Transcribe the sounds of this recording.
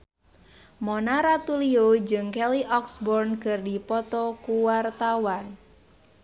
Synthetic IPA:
mɔnaɾat̪uliod͡ʒɨŋkɛliʔɔksbɔrnkərdipɔt̪ɔkuwart̪awan

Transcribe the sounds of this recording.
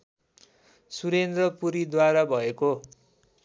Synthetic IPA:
suɾend̪rʌpuɾid̪waɾabʱʌeko

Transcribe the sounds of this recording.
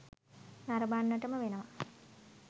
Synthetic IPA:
naɾɐbanːɐʈəməʋenɐʋa

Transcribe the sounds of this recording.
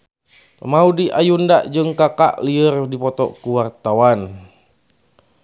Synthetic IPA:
maudiʔajundaʔd͡ʒɨŋkaka̰ʔliərdipɔt̪ɔ̰kuwart̪awan

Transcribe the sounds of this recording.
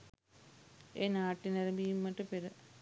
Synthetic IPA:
eːnaːʈːinɐɾɐmbijumːɐʈːɨpeɾɨ

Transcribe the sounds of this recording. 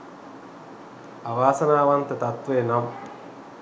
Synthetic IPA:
aʋaːsənaːʋant̪ət̪at̪ʋeːnam

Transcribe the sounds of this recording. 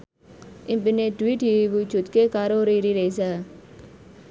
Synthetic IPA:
ɪmbɪneːʈwiːʈibut͡ʃʊt̪keːkaːɾoːɾiːɾiɾesɛ

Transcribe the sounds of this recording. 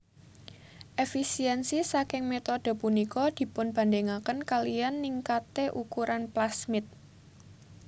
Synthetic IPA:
ʔefisiɛnsisakɪŋmet̪ɔd̪̥ə̤punikɔd̪̥i̤pʊnb̥a̤ndeŋakənkalijanːiŋkat̪eʔukuɾʔanplasmɪt̪̚

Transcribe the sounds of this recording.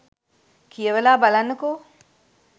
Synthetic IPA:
kʰijəʋelaːbalanːəko

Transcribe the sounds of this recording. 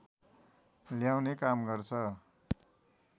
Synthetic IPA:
ljawnekamɡʌrt͡sʰʌ

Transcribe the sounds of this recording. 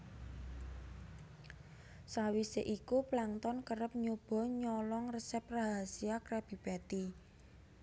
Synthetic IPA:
sawiseʔikuplaŋt̪ɔnkəɾəp̚ɲub̥ɔ̤ɲɔlɔŋrəsɛp̚raɦasiakɾɛb̥i̤b̥at̪i

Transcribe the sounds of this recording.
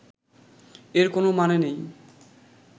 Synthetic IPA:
eɾkonomanenej

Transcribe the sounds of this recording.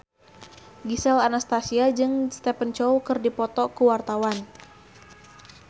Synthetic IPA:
ɡisɛlanast̪asiad͡ʒɨŋst̪ɛpənt͡ʃɔwkɨrdipɔt̪ɔkuwart̪awan

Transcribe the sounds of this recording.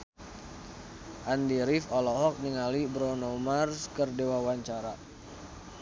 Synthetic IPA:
ʔandiɾifɔlɔɦɔk̚niŋalibɾɔnomarskərdewawaɲt͡ʃaɾa

